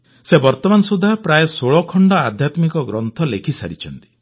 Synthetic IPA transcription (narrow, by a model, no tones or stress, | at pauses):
sebɔɾt̪ɔmansud̪ʱapɾajesoɭɔkʰɔɳɖɔa̰d̪ʱjat̪mikɔɡɾɔnt̪ʰɔlekʰisa̰ɾit͡ʃʰɔnt̪i̥